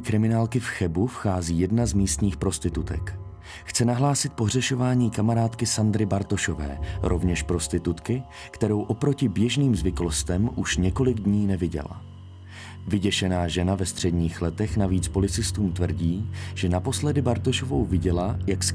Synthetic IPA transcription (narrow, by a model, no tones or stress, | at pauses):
kɾɪmɪnaːlkɪfxɛbufxaːziːjɛdnazmiːst̪ɲiːxpɾo̞st̪ɪt̪ut̪ɛ̰k | xt͡sɛnaɦlaːsɪt̪̚po̞ɦr̝ɛʃo̞vaːɲiːkamaɾaːt̪kɪsand̪ɾɪbaɾt̪o̞ʃo̞vɛ̰ːɾʔo̞vɲɛʃpɾo̞st̪ɪt̪ut̪kɪ | kt̪ɛɾo̞wʔo̞pɾo̞cɪbjɛʒniːmzvɪklost̪ɛmʔuʃɲɛko̞lɪɡdɲiːnɛvɪɟɛ̰la̰ | vɪɟɛʃɛnaːʒɛnavɛst̪r̝̥ɛdɲiːxlɛt̪ɛxnaviːt͡spo̞lɪt͡sɪst̪uːmt̪vr̩ɟiːʒ̥ɛnapo̞slɛdɪbaɾt̪o̞ʃovowvɪɟɛlajaks